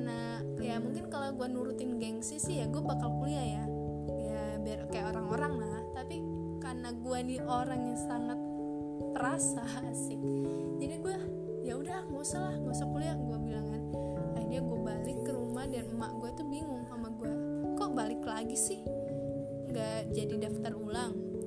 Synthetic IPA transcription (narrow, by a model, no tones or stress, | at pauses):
na | ajamuŋkɪnkaloɡuanuɾut̪ɪnɡɛŋsɪhsɪhjaɡuabakalkuliaja | ja | baarkajaʔoɾaŋoɾaŋlaht̪api | karnaɡuaniʔoɾaŋjaŋsaŋat̪̚ | pəɾasa | sɪh | d͡ʒadiɡua | jaudaŋosalahŋosakuliaɡuabilaŋan | adiaɡuabalɪkːəɾumahdanma̰ʔɡuat̪ubiŋʊŋsamaɡuakɔʔbalɪklaɡisɪh | ŋɡaʔd͡ʒadidaft̪arulaŋ